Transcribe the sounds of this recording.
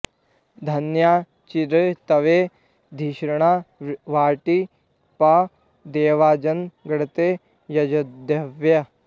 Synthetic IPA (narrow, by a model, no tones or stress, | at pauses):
d̪ʱɐnjaː | t͡ʃiɾɐt̪ɐʋe | d̪ʱiʃɾɐɳaːʋaːʈi | pɐ | d̪eːʋaːd͡ʒɐnɡɐɽɐt̪eː | jɐd͡ʒɐd̪jɐʋjɐ